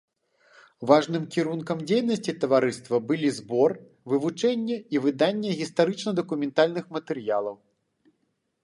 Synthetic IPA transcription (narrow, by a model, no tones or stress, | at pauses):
vaʐnɨmkʲiɾunkɐmd͡zʲejnɐsʲt͡sʲit̪ɐvaɾɨst̪vɐbɨlʲizbɔr | vɨvut͡ʂɛnʲːɛivɨd̪anʲːɛɣʲist̪aɾɨt͡ʂnɐd̪ɐkumʲɛnt̪alʲnɨxmɐt̪ɛɾjalˠɐw